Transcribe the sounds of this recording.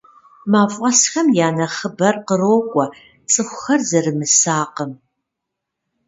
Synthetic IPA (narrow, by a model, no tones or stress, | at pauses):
maːfʷʼɐsxɐmjaːnɐχəbɐrqəroːkʷʼɔ | t͡sʼɨxʷʊxɐrzɐrɨmɨsaːqəm